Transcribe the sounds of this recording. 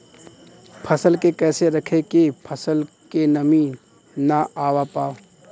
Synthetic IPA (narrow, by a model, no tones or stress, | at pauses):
pʰɐsəlkekɛːseɾɐkʰekepʰəsəl | kenɐmiːnː | aaːwapaː